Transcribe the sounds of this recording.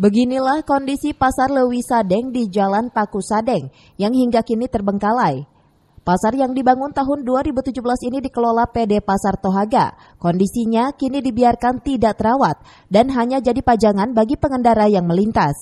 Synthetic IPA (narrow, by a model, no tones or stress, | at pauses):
bəɡinilahkɔndisipasarləwisadɛŋdid͡ʒalanpakusadɛŋ | jaŋɦiŋɡakinit̪ərbəŋkalaj | pasarjaŋdibaŋʊnt̪aɦʊnduaɾibut̪ud͡ʒubəlasinidikəlolapedepasart̪oɦaɡa̰ | kɔndisiɲakinidibiarkant̪idaʔt̪əɾawat̪̚ | danɦaɲad͡ʒadipad͡ʒaŋanbaɡipəŋəndaɾajaŋməlint̪as